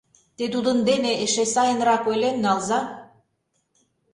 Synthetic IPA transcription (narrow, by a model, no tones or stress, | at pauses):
t̪ed̪ud̪ə̆nd̪eneʔeʃesɑjənɾɑkojlʲennːɑlzɑ